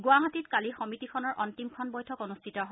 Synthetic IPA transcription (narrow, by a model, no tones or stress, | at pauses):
ɡwaɦatitkalixɔmitikʰɔnɔɹʔɔntimkʰɔnbɔjtʰɔkɔnustʰitɔɦ